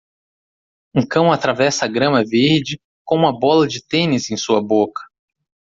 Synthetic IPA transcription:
ũkɐ̃w̃at̪ɾavɛsɐaɡɾɐ̃mɐveɾd͡ʒɪ | kõũmɐbɔlɐd͡ʒɪt̪ẽnɪzẽj̃suɐbokɐ̥

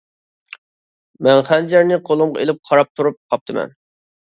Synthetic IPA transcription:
mɛnχænd͡ʒæɾnɪqʰolˠʊmʁɑelɪp̚χʰɑɾɑp̚t̪ʰuɾup̚qʰɑp̚t̪ʰɨmɛ̰n

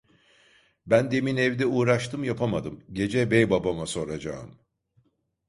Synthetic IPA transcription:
bænd̪e̞minɛvd̪ɛuːɾaʃt̪ʰɯmjapʰamad̪ɯmɟe̞d͡ʒɛbɛjbabamaso̞ɾad͡ʒa̰ɯm

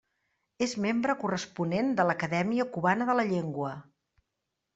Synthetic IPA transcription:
ezmembɾəkurəspunend̪ələkəðɛmiəkuβanəðələʎeŋɡwə

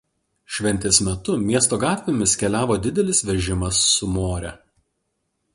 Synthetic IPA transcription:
ʃʲʋʲɛnʲt̪ʲeːsmʲɛt̪ʊmʲiɛst̪oːɡɑːt̪ʲʋʲemʲɪsʲkʲɛlʲæːʋoːd̪ʲɪd̪ʲɛlʲɪsʋʲɛʒʲɪmɐsːʊmoːɾʲɛ

